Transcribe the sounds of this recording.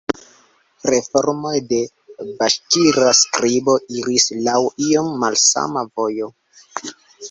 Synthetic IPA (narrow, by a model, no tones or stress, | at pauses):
ɾe̞fo̞ɾmo̞jde̞ | baʃtiɾaskɾibo̞iɾislawio̞mːalsa̰mavo̞jo̞